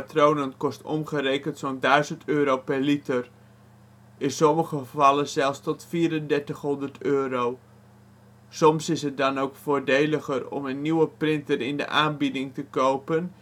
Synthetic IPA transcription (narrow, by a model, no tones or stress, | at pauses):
atroːnənkɔstɔ̰mχəreːkəntsoːndœɥzəntʰøːɾowpɛrlitər | ɪnsɔməɣəvɑləzɛlˠfstɔtfiːɾəndɛɹtəxɦɔndətøːɾow | sɔmsɪsət̚dɑnoːkfoːɹdeːləxərɔ̰mənːiwəprɪntərɪndə̰ʔaːnbidɪŋtəkowpən